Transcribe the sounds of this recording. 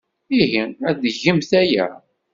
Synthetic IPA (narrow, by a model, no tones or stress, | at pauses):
iɦiæðəʝəmθæjæ̰